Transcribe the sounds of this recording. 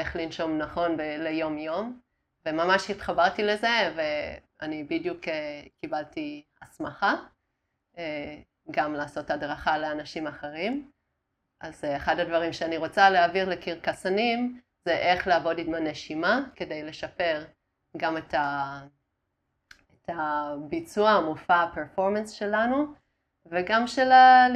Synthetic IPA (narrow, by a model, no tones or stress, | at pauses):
eχlinʃo̞mnaχo̞nbelejo̞mjo̞m | ve̞mamaʃitχabaʁtile̞ze̞ve̞ | anibidjukekibaltiasmaχa | e | ɡamlaːso̞thadʁaχaleanaʃimaχeʁ̞im | ʔazeχadadvaʁimʃeaniʁo̞t͡saleaviʁlekiʁkasanim | zeʔe̞χleaːvo̞ditmaneʃimake̞de̞jle̞ʃape̞ʁ | ɡameta | etʰabit͡suamufaapeʁfo̞ʁmensʃe̞lanu | veɡamʃelal